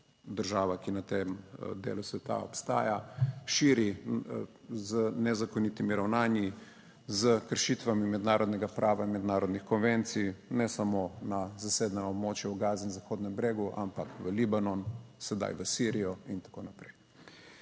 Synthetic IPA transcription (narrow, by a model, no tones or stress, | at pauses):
d̪əɾʒaːʋakinat̪emd̪ḛːlusʋɛt̪a̰ɔ̰pst̪a̰ːjaʃiːɾi | zənɛzakonit̪imiɾawnaːnji | zəkəɾʃit̪ʋamimɛd̪naːɾɔd̪nɛɡapɾʔaːʋainmɛd̪naːɾɔd̪nixkɔnʋent̪sijnɛsamonazaseːd̪nɛnɔbmoːt͡ʃjɛuɡaːzinzaxoːd̪nɛmbɾeːɡuʔa̰mpakʋəlibanɔnsɛd̪a̰jʋəsiɾijɔint̪ḁkoːnapɾɛj